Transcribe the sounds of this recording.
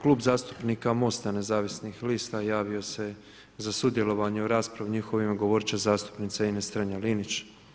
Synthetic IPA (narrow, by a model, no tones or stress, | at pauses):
klˠuːbzaːst̪u̥pnikamo̞st̪ane̞zaːʋisnixliːst̪ajaːʋio̞se̞ | zasud̪je̞lo̞ʋaɲeoɾaːspɾaʋuɲixo̞ʋimɡoʋo̞ɾt͡ʃazaːst̪u̥pnit̪sainest̪ɾaɲaliːnit͡ʃ